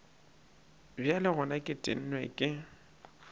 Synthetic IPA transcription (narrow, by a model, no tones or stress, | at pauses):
bjalɪɣʊnakʼɪtʼɪ̰n̩nwɛkʼɪ